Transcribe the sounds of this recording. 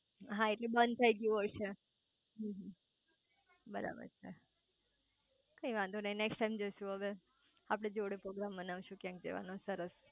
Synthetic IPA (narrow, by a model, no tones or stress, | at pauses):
ɦãeʈlebənd̪t̪ʰəiɡəjũɦojt͡ʃʰe | ɦə̃ɦ | bəɾa̰bə̰ɾt͡ʃʰe | kəĩʋãnd̪unəineksʈajmd͡ʒoʃũɦəʋe | apɽ̃ed͡ʒoɽepɾoɡɾambənaʋʃũkjãk̚d͡ʒḛʋa̰nõsəɾəs